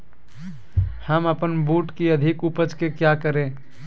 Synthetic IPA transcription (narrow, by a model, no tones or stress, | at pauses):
həməpənbuːʈkiɐd̪ʱɪkupəd͡ʒkekjaːkəɾẽː